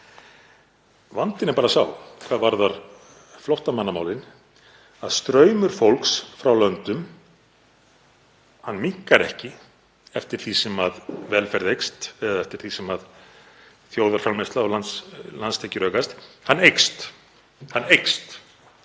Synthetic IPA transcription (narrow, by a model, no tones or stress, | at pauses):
vant̪ɪnɛɾpaːɾasawkʰvaðvaɾðaɾ̥ | flɔht̪amanːamaːwlɪn | aðst̪ɾœːɥmʏɾ̥fowlksfɾawlœnt̪ʏm | hanːmikːaɾɛ̰hcɪ | ɛft̪ɪɾ̥θisɛmaðvɛːlfɛɾðejkst̪ɛðaɛft̪ɪɾ̥θisɛmað | θjowðaɾfɾalmɛst̪laɔlanslanst̪ʰecʏɾœːkast̪hanːejkst̪ | hanːejkst̪